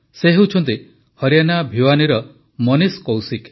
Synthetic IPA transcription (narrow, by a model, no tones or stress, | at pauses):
seɦewt͡ʃʰɔnt̪i | hɔɾjanabʱiwaniɾɔ | mɔniskowsik